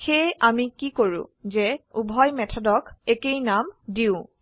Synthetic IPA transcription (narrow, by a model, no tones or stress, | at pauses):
xeamikikoɹṵ̃zeubʱɔjmɛtʰɔdɔkekejnamdiʊ̃